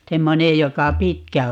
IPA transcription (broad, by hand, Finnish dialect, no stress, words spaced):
semːonej jokɑ pitkæ